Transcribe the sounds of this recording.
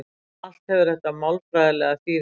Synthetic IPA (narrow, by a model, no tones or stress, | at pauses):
al̥t̪hɛvʏɾ̥ɾɛt̪ːamawlfɾajðalɛɣaθiː